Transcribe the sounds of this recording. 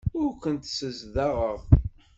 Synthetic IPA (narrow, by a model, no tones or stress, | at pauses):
ʊɾkʷənt̪səzðɑʁəʁ